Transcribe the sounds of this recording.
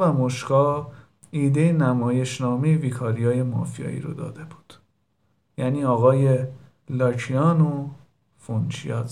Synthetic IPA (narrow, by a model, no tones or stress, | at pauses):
væmoʃkɒː | iːd̪e̞jenæmɒːje̞ʃnɒːme̞jeviːkʰɒːɾijɒːje̞mɒ̰ːfijɒ̰ːḭːɾo̰d̪ɒ̰ːd̪e̞bu̥ːd̪̥ | jæniːɒːɣɒːje | lɒːcʰijɒːno | font͡ʃʰḭjɒːz